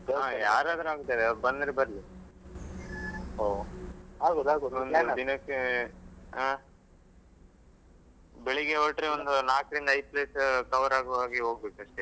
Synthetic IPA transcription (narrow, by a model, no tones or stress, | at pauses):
aːjaːɾaːd̪ɾuaːɡut̪ːajd̪eɐɾbɐnd̪ɾebɐɾli | o | aond̪ud̪inɐkːe | aː | beɭiɡeʋoʈɾeond̪unaːkɾind̪ɐj̚pleːskɐʋɐɾaːɡʋaːɡiɦoːɡ̚beːkuɐʂʈe